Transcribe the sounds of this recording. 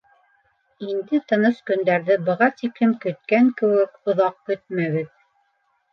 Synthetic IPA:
ind̪ɘt̪ɤ̆nɤskɵ̆nd̪æɾðɘbɤ̆ʁɑt̪iklɘmkɵ̆t̪̚kæŋkɘ̆wɘkŏðɑq̚kɵt̪̚mæβɘð

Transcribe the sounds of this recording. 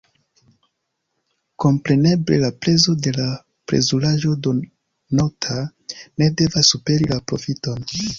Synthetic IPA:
ko̞mpɾe̞ne̞ble̞̰lapɾe̞zo̞de̞la | pɾḛzulaʒo̞do | notʰa | ne̞de̞vasːupe̞ɾilapɾo̞̰fito̞n

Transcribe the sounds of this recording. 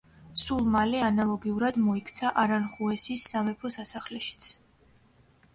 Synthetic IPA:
sulˠmalɛanalˠɔɡiuɾad̪mɔikʰt̪sʰaʔaɾanχuɛsisːamɛpʰɔsasaχlɛʃi̥t̪sʰ

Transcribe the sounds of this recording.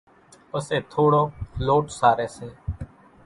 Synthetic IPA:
pəseːt̪ʰoːɽoːloːʈsaːɾeːseː

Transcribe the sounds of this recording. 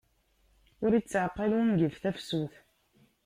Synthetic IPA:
ʊɾit͡sːʕəqːəlnɡəfθæfsuθ

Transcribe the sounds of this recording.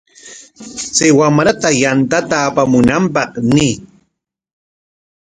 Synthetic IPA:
t͡sawamɾat̪ajant̪at̪aːpamʊnampɑχniː

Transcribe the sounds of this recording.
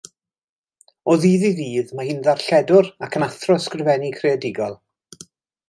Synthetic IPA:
ɔðiːðiviːðmahɪnðarɬɛdʊɾakʰənaθrɔskrɪvɛnikʰreadɪɡɔlˠ

